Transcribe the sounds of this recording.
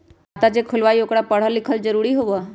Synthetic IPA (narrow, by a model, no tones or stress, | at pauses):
ət̪ad͡ʑekʰʊlʋajokɽapəɽ̤əlɪkʰəld͡zəɾuɽiɦoʋə